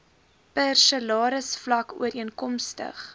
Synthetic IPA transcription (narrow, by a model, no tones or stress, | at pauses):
pɛrsəlɑːɾəsflɐkṵəɾiənkɔmstə̰χ